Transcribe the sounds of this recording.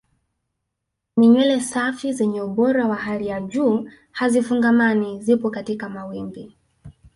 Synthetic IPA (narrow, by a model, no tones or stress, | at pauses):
nɛɲɛlɛsafizɛɲɛuɓɔɾawaɦalijaʄuː | hazifuŋɡamanizipɔkatikamawimbi